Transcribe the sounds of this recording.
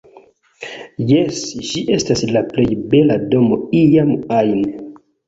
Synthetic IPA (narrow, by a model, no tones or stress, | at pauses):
jesʒiʔe̞staslaplejbelado̞mo̞ijamajn